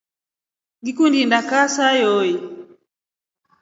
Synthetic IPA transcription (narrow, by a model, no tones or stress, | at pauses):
ɡikundindakasajɔji